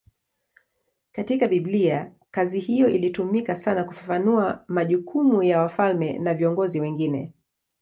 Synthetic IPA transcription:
katikaɓiblia | kazihijɔʔilitumikasanaku̥fafanuamaʄukʰumujawafalmɛ̰naviɔŋɡɔziwɛŋɡinɛ̰

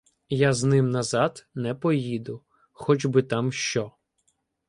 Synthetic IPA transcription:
jaznɪmnɐzɑd̪nɛpɔjid̪ʊ | xɔd͡ʒbɪt̪ɑmʃt͡ʃɔ

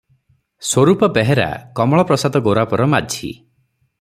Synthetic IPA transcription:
swoɾupɔpɛɦeɾa̰kɔmɔɭɔpɾɔsad̪ɔɡoɾapɔɾɔmad͡ʒʱʰḭ

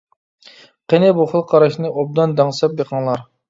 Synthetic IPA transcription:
qʰenɪbuχəlˠqʰɑɾɑʃnɨʔob̚d̪ɑnd̪ɑŋsɑp̚jeqʰɑŋlˠɑɾ

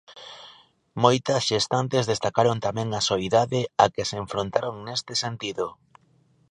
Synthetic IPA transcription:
mojt̪ɐsʃest̪ant̪ezðest̪akaɾont̪amɛ̃ŋɐsoiðaðeakeseeɱfɾont̪aɾoŋnest̪esent̪iðʊ

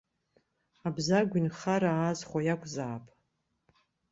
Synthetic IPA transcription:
abzaɡʷinχaɾaːzχʷajakʷʼʰzaːpʼ

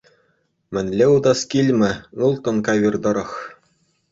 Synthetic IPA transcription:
mʲɘ̆nʲlʲeud̪ɑskʲilʲmʲɘ̆ɯlˠt̪ɤ̆nkɑʋʲird̪ɤ̆ɾɤ̆χ

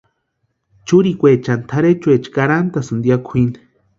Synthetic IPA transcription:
t͡ʃuɾikʷet͡ʃant̪ʰaɾet͡ʃuet͡ʃkaɾant̪asɨnd̪jakʷʰin

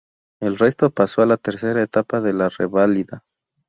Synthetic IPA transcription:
elre̞st̪o̞paso̞alat̪e̞ɾse̞ɾaet̪apaðe̞lareβaliða

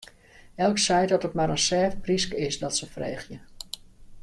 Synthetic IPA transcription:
ɛlˠksɛjdɔtətmaɾənsɛːfpriskəɪsdɔtsəfrḛːχjə

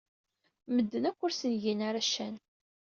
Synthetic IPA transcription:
məd̪ːənækʷːʊɾsənʝinaɾaʃæn

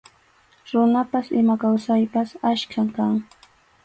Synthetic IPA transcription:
ɾʊnapasɪmakawsajpasaʃkʰamkaŋ

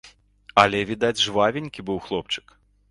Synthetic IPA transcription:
ɐlʲɛvʲid̪ad͡zʲʐvavʲenʲkʲibɨwxlˠɔpt͡ʂɨ̥k

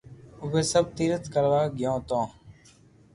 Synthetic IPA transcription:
ʊbeːsəb̚t̪iːɾət̪kəlʋaːɡɪjãːt̪õː

